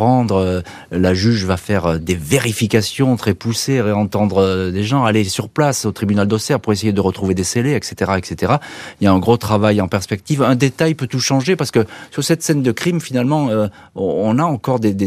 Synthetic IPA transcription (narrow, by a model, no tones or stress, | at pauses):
χɑ̃d̪ʁø | laʒyʒvafɛʁød̪eveʁifikasjɔ̃t̪χɛpuseʁeɑ̃t̪ɑ̃d̪ʁəd̪eʒɑ̃alesyʁplasot̪χibynald̪ɔsɛʁpuʁesejed̪əʁət̪χuved̪eseleɛkset̪eʁaɛkset̪eʁailjaɛ̃ɡʁot̪χavajɑ̃pɛʁspɛk̚t̪ivɛ̃d̪et̪ajpøt̪uʃɑ̃ʒepaʁsə̥kəsyʁsɛt̪sɛnd̪əkχimfinalmɑ̃ø | ɔ̃ɔ̃naɑ̃kɔʁd̪ed̪e